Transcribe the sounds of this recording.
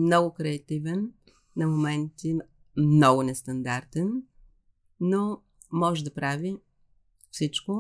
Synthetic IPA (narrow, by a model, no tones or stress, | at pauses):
mnɔɡʊkɾɛɐt̪ivɛnː | ɐmomɛnt̪i | mnɔɡʊnɛst̪ɐnd̪aɾt̪ɛn | o | mɔʒɛd̪ɐpɾavi | fsit͡ʃko